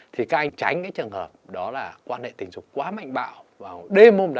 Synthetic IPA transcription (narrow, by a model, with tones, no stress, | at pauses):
t̪ʰi˨˩kaː˦k̚ʔa˧jt͡ɕa˨˦jŋ̟kaː˨˦jt͡ɕɨ˨˩ənhəː˨˩p̚ɗɔ˨˦laː˨˩kwaː˧nhḛ˧˨t̪ï̟˨˩zʊ˨˩k͡p̚kwaː˨˦ma̰˧˨jŋ̟ɓa̰ː˧˨wvaː˨˩˨ɗe˧mo˧mɗa˧